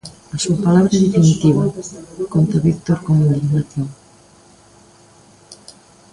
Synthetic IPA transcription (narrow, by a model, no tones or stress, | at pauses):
asuapalaβɾaeðefinit̪iβ̞akont̪aβikt̪oɾkomoðalinaθjoŋ